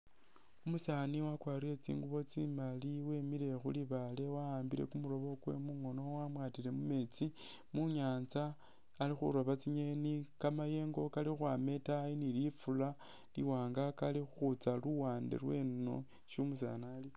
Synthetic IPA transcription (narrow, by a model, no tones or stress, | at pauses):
umusaniwakwaːriet͡sḭːŋɡuβo̞t͡simaliwemile̞xuliβale̞waaːmbiɾḛkumuɾo̞βo̞kwe̞̰muŋo̞no̞wamwaːtile̞mume̞t͡si | muɲaːnt͡saː | lixṵɾo̞βat͡siɲenikamaje̞ːŋɡo̞kalixwame̞tajinilifula | lḭwaːŋɡakalixuxut͡saluwaːndḛɾwe̞̰no̞̰ | ʃumus̬a̰nali